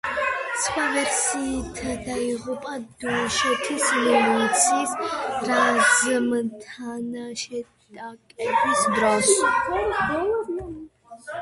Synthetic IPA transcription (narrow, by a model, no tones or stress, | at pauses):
t̪sχwavɛɾsiːt̪ʰad̪aiʁupʼad̪ɔʃɛt̪ʰismɛlut̪sʰiːsɾazmt̪ʰanaʃɛ | t̪ʼakʼɛbɔsbɾas